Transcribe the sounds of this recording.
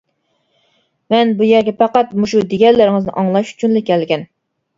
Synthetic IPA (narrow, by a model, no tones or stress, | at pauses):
mɛnbujɛɾɡʲɛpɑqɑt̪muʃud̪eɡʲɛlɪɾɪŋɨznɪ̰ʔɑŋlˠɑʃy̥t͡ʃʰynlɪkʲːɛlɡʲɛn